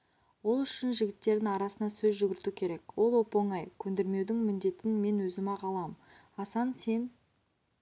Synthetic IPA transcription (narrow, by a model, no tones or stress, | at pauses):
wo̞lˠʏʃɪnʒɪɡʲɪt̪ːe̞ɾd̪ɪŋɑɾɑsənɑsɵzʒʏɡʲɪɾt̪ukʲʰe̞ɾe̞kwo̞lˠo̞po̞ɴɑjkʲʰɵnd̪e̞ɾme̞wd̪ɪŋmɪnd̪e̞t̪ɪnme̞nwɵzɪmɑqʰɑlˠɑm | ɑsɑnse̞n